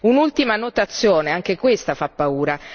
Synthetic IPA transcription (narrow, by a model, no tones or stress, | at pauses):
unult̪imanot̪at̪sːjoːneaŋk̟ekwest̪afapːauːɾa